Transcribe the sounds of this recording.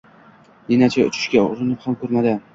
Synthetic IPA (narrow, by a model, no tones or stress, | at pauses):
nenat͡ʃʰaʊ̰t͡ʃʰɪ̥ʃkʲaʊ̰ɾɪnɪphamkʰɵɾmad̪ɪ